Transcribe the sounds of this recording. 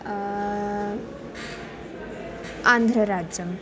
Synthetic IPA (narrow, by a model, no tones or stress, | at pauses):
and̪ʱɾəɾad͡ʒjəm